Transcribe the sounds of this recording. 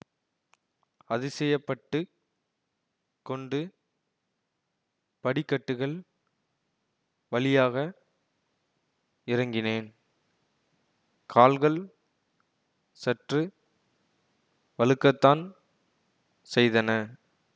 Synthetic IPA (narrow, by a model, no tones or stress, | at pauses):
ɐðɯsɛjɐpːɐʈːɯ | kɔɳɖɯ | pɐɽɪkːɐʈːɯɣɐɭ | ʋɐlɪjaːɣɐ | ɪɾɐŋɡɪneːn | kʰaːlɣɐɭ | sɛʈrɯ | ʋɐlɯkːɐt̪ːaːn | sɛjðɐnɐ